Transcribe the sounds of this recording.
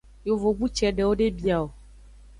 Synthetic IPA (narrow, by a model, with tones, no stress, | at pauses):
jo˨vo˨ɡ͡bu˦t͡ʃɛ˨ɖɛ˨wo˦ɖe˦bi˦a˨o˨